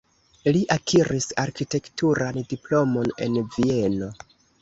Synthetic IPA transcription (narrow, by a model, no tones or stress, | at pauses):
liʔakʰiɾisaɾkite̞ktuɾandiplo̞mo̞ne̞̰nvie̞no̞